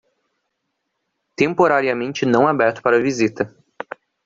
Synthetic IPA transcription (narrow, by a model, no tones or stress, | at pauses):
t̪ẽmpoɾaɾiɐmẽnt͡ʃɪnɐ̃w̃abɛɾt̪ʊ̥paɾɐvizit̪ɐ